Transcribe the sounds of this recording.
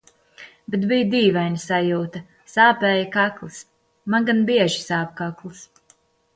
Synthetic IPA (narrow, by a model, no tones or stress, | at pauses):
bet̪bijd̪iːvajnʲisajuːt̪ɐ | saːpɛːjakaklˠɨs | manɡanbiɛʒisaːp̚kaklˠis